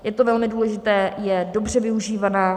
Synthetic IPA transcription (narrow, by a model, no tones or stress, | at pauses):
jɛt̪ovɛlmɪduːlɛʒɪt̪ɛːjɛdo̞br̝ɛvɪuʒiːvanaː